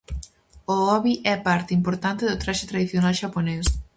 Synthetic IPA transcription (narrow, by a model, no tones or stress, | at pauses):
oɔβiʔɛpaɾt̪ɪimpoɾt̪ant̪ɪðʊt̪ɾaʃɪt̪ɾaðiθjonalʃapones